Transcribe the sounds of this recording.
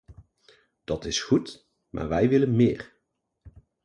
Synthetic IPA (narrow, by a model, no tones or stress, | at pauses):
d̥ɑtɪsχut | ma̰ːɹʋɛjʋɪlənmɪːɹ